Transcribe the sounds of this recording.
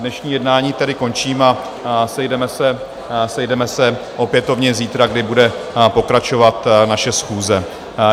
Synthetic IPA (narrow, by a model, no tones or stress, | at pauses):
nɛʃɲiːjɛdnaːɲiːt̪ɛdɪko̞nt͡ʃiːma | sɛjdɛmɛsɛ | sɛjdɛmɛsɛʔo̞pjɛt̪o̞vɲɛziːt̪ɾaɡdɪbudɛ | po̞kɾat͡ʃo̞vat̪naʃɛsxuːzɛ